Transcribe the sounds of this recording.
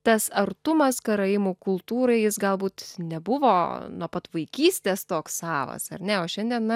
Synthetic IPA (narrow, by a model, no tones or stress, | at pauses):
t̪ɐsɐɾt̪ʊmɐskɐɾɐɪmuːkʊlˠt̪uːɾɐɪjɪsɡɐlˠbuːt̪nʲɛbʊʋoːnuɔpɐt̪ʋɐɪkʲiːsʲt̪ʲeːst̪oːksɑːʋɐ̰sɐ̰ɾʲnʲɛoːʃʲɛnʲd̪ʲiɛnnɐ